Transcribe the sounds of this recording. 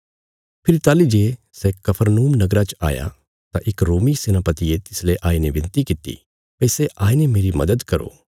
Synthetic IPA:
pʰɪɾit̪aːlid͡ʒeː | sɛkɐpʰəɾnuːmnɐɡɾat͡ʃa̰ːja̰ | t̪aʔɪkɾoːmisɪnaːpət̪iet̪ɪsleʔaːinẽʋɪ̃nt̪ikɪt̪ḭ | pɛsɛʔaːinemeːɾimɐd̪əd̪kɐɾo̰ː

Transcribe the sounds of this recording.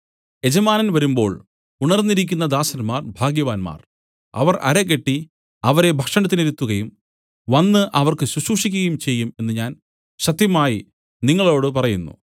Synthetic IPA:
e̞d͡ʑɐmaːnɐnʋɐɾumbo̞̰ːɭ | uɳɐrnːiɾik̬ʲːun̪ːɐd̪aːsɐnmaːrbʱaːɡjɐʋaːnma̰ːr | ɐ̰ʋɐrɐ̰ɾek̬ːe̞ʈːi | ɐʋɐɾe̞bʱɐkʂɐɳɐt̪̬ːineɾut̪ːuɣɐjum | ʋɐnːɨʔɐʋɐrkɨɕuɕuːʂikʲːuɣɐjumt͡ɕe̞jːume̞nːɨɲaːn | ɕɐt̪jɐmaːji | niŋːɐɭo̞ːɽɨp̬ɐrɐjunːṵ

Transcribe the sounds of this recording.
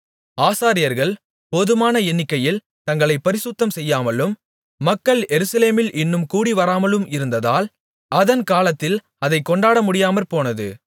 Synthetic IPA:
aːsaːɾɪjɐɾɣɐɭ | pɔðɯmaːnɐɛnːɪkːɐjɪl | t̪ɐŋɡɐɭɐɪpːɐɾɪsʊt̪ːɐmsɛjːaːmɐlɯmː | ɐkːɐɭʔɛɾɯsɐleːmɪlʔɪnːɯmkuːɽiʋɐɾaːmɐlɯmɪɾɯnd̪ɐða̰ːl | ɐðɐnkaːlɐt̪ːɪl | ɐðɐɪkːɔɳɖaːɽɐmʊɽɪjaːmɐlpoːnɐðɯ̰

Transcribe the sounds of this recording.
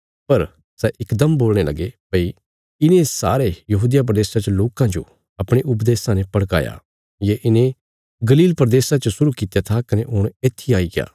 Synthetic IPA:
pɐɾ | sɛʔɪkd̪əmboːlɽ̃elɐ̰ɡepɐi | ɪnẽsa̰ːɾejɐɦuːd̪ijap̬ɾɐd̪eːsat͡ʃəloːkãd͡ʒo̰ | ɐpɽ̃eʔʊp̬d̪eːsãnẽpɐɽka̰ːja̰ | jeʔɪnẽ | ɡɐliːlpɾd̪eːsat͡ʃɐsʊɾukit̪jat̪ʰakɐneʔʊɽ̃eːt̪ʰːiaːiɡja̰ː

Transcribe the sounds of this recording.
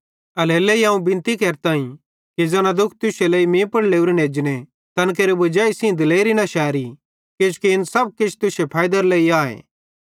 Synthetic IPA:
ɐleːleːiɦãːũbɪ̃nt̪ikɛːɾt̪aːĩ | kid͡zɐnad̪ʊkʰt̪ʊseleːimẽːpɐɽleːuɾeneːd͡ʒne | t̪ɐnk̬eːɾebɐd͡ʒaːisĩd̪ɪleːɾinɐʃɛːɾi | ket͡ʃkiɪnsɐb̚kɪt͡ʃʰt̪ʊsepʰaːɪd̪əɾleːiaːḛː

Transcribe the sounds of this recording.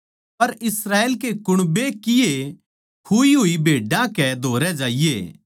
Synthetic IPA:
pɐɾɪsɾaːeːlkekʊɽ̃bekɪje | kʰuiɦʊibʱeːɖãkɛd̪ʱoːɾɛd͡ʒaːɪjeː

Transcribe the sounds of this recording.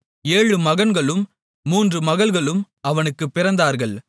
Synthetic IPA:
eːɻɯmɐɣɐnɡɐɭɯmː | uːndrɯmɐɣɐɭɣɐɭɯm | ɐʋɐnɯkːɯpːɪɾɐnd̪aːɾɣɐɭ

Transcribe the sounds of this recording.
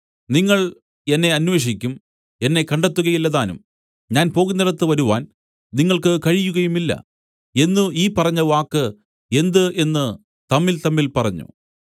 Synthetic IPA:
niŋːɐɭ | e̞nːe̞ɐnwʋe̞ːʂ̬ikʲːum | e̞nːe̞kɐɳɖet̪ːuɣɐjilːɐðaːnum | ɲaːnpo̞ːɣunːɐɽɐt̪ːɨʋɐɾuʋaːn | niŋːɐɭkɨkɐɻijuɣɐjumilːɐ̰ | e̞nːuiːpɐrɐɲːɐʋaːkːɨ | e̞nd̪ɨʔe̞nːɨ | t̪ɐmːilt̪ɐmːilpɐrɐɲːṵ

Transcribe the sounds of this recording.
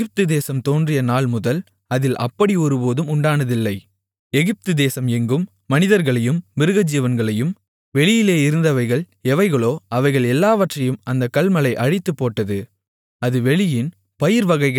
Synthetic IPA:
ɪp̚t̪ɯd̪eːsɐmt̪oːndrɪjɐnaːɭmʊðɐl | ɐðɪlʔɐ̰pːɐɽiɔɾɯpoːðɯmʊɳɖaːnɐðɪlːɐɪ | ɛɣɪp̚t̪ɯd̪eːsɐmɛŋɡɯmːɐnɪðɐɾɣɐɭɐjɯmːɪɾɯɣɐd͡ʒɪjɐʋɐnɡɐɭɐjɯm | ʋɛɭɪjɪleːɪɾɯnd̪ɐʋɐɪɣɐɭ | ɛʋɐɪɣɐɭoːɐʋɐɪɣɐɭɛlːaːʋɐʈrɐjɯmɐnd̪ɐkːɐɭmɐlɐɪʔɐɻɪt̪ːɯpːoːʈːɐðɯ | ɐðɯʋɛɭɪjɪn | pɐjɪɾʋɐɣɐɪɣɐ

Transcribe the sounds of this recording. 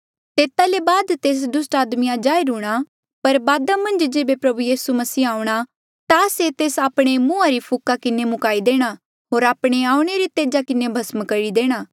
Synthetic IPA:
t̪eːt̪alebaːd̪t̪eːs̬d̪ʊsʈaːd̪mijãd͡ʒaːeɾuːɽ̃a | pɐɾbaːd̪amɐ̃nd͡ʒd͡ʒeːbepɾɐbujiːsumɐsiːaːuɽ̃a | t̪aset̪eːsaːpɽ̃emũːaɾipʰʊkakɪnemʊkaːid̪eːɽ̃a | ɦoːɾaːpɽ̃eaːũɽ̃eɾit̪eːd͡ʒakɪnebʱɐsmkɐɾid̪eːɽ̃aː

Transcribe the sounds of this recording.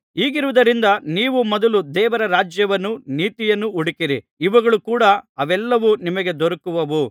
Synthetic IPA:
iːɡiɾuʋud̪ɐɾind̪ɐniːʋumɔd̪ɐlud̪ɛːʋɐɾɐɾaːd͡ʒjɐʋɐnːuniːt̪ijɐnːuuɽikiɾiː | ʋɐɡɐɭukuːɽɐɐʋɛlːɐʋunimɐɡe̞d̪oɾɐkuʋɐʋu

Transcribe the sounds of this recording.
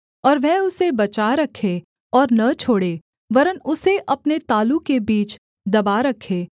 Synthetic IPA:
ɔːɾʋɛɦʊsebɐt͡ʃaɾɐkʰːe | ɔːɾnɐt͡ʃʰoːɽeː | ʋɐɾənʊseʔɐpnet̪aːlukebiːt͡ʃ | d̪ɐbaɾɐkʰːeː

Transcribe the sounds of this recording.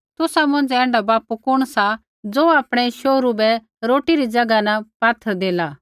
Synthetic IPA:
t̪ʊsamʊ̃nd͡ʒɛ̃ːɳɖabaːpukʊɽ̃sa | d͡zoːaːpɽ̃ɛʃoːɾubɛ | ɾoːʈiɾid͡ʒɐɡanapaːt̪ʰːəɾd̪eːlaː

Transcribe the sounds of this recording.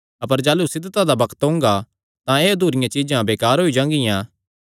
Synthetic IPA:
ɐpəɾd͡ʒaːlusɪd̪t̪ad̪abɐkʰə̥t̪ɦõːŋɡa | t̪ãeːd̪ʱuːɾɪjãt͡ʃid͡ʒãbeːkaːɾɦoid͡ʒãːŋɡɪjãː

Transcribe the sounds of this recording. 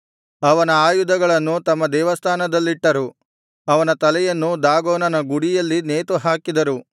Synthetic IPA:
ɐʋɐnɐaːjud̪ɐɡɐɭɐnːut̪ɐmːɐd̪ɛːʋɐst̪ʰaːnɐd̪ɐlːiʈːɐɾu | ɐʋɐnɐt̪ɐlɛjɐnːud̪aːɡoːnɐnɐɡuɽijɐlːineːt̪uɦaːkid̪ɐɾu

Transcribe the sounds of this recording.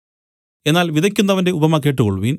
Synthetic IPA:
e̞nːaːlʋiðɐkʲːunːɐʋɐnde̞ubɐmɐk̬ːeːʈ̬ːɨkoɭuʋin

